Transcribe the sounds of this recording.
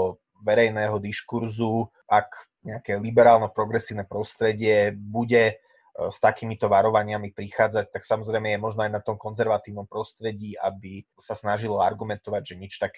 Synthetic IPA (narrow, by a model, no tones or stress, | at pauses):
ɔ | ʋɛɾɛjnɛːɦɔd̪iskuɾzu | ʔak | ɲɛakɛlibɛɾaːlnɔpɾɔɡɾɛsiːʊnɛpɾɔst̪ɾɛɟɪɛbuɟɛ | st̪akiːmit̪ɔʋaɾɔʋaɲɪamipɾixaːd͡zac̚t̪aksamɔzɾɛjmɛjɛmɔʒnɔajnat̪ɔmkɔnzɛɾʋat̪iːʊnɔmpɾɔst̪ɾɛɟiːa̰bi | sasnaʒilɔaɾɡumɛnt̪ɔʋaɟʒɛɲit͡ʃt̪akɛ